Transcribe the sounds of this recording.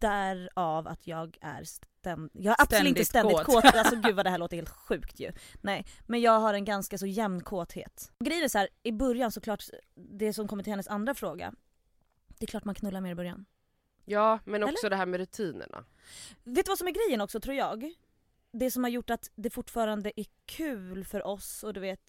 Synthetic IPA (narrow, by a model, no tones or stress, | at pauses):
d̪̥æɾava̰t̪ʰjɑːɡæ̰ɾst̪ɛnjɑːɡɾapsɔɪəst̪ɛd̪ɪt̪kʰːt̪alsɔɡʉ̟ːvad̪ɛæːɭoːt̪əheːlt̪ɧʉ̟ːkt̪ʰjɵ̰nɛɪmɛnjɑːɡɦaɾɛnɡanskas̬ɔjɛmnkʰoːt̪hḛːt̪ɔɡɾɛjːənæsɔhæːɾɪbœɾjansɔkʰlɑːʈd̪ɛsɔmkʰɔmːəɾʈɪhɛnːəsand̪ɾafɾoːɡa̰ | d̪̥ɛɛkʰlɑːʈmankʰnɵlːaɾmeːɾɪbœɾja̰n | jɑːmɛnɔɛːsɔd̪ɛɦæːɾmɛɾɵt̪ʰiːnə̰ɳa̰ | veːt̪ːʉvasɔmæɾɡɾɛjːənɔksɔt̪ʰɾuːɾjɑːɡ | d̪ɛsɔmhaɾjʊʈːat̪d̪ɛfʊʈːfɑːɾand̪əʔæɾkʰʉ̟ːlfœɾʔɔsɔd̪ɵveːt̪